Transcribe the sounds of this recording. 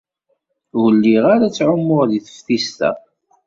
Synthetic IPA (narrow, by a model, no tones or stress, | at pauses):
wəlːiʁaɾat͡sːʕʊmːʊɾðiθə̥fθist̪æ̰